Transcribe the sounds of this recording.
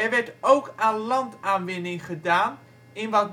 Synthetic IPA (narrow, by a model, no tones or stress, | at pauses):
ɛrʋɛɹtowkaːnlɑntaːnʋɪnɪŋχədaːn | ɪnʋɑt̚